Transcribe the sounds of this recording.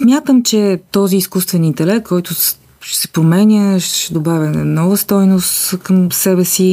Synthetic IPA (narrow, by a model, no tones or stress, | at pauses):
smʲjat̪əmt͡ʃɛt̪ɔziːskust̪vɛnint̪ɛlɛkt̪kʰːɔjt̪ʊ | ʃɛsɛpɾomɛnʲəʃʃɛd̪obavʲjənɔvəst̪ɔjnost̪kəmsɛbɛsi